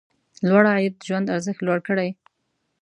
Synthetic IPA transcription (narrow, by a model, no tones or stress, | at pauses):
lwaɽɑjɪt̪̚ʒwand̪aɾzəxt̪lwaɽkəɽaj